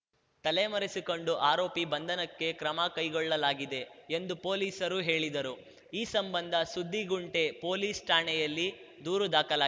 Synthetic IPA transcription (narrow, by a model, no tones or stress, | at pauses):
t̪ɐlemɐɾisiko̞ɳɖuʔaːɾoːpibɐnd̪ʱɐnɐkːe̞kɾɐmɐkɐjɡɔɭːɐlaːɡid̪e̞end̪upo̞ːliːsɐɾuɦe̞ːɭid̪ɐɾu | iːsɐmbɐnd̪ʱɐsud̪ʱːiɡuɳʈe̞po̞ːliːsʈaːɳɛjɐlːi | d̪uːɾud̪aːkɐlaː